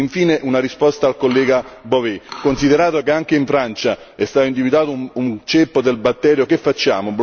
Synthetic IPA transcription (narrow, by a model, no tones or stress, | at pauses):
iɱfiːneʔunaɾispɔst̪aːlkolːɛːɡabovɛkonsid̪eɾaːt̪okeaŋk̟eiɱfɾant͡ʃa | ɛst̪aːt̪oind̪ivid̪waːt̪ount͡ʃepːod̪elbat̪ːɛːɾjokefːat͡ʃːa̰ːmob